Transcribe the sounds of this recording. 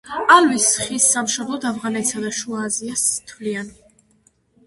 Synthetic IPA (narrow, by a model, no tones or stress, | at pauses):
alvisχisːamʃɔblˠɔd̪avʁanɛt̪sad̪aʃuaːziast̪ʰvlian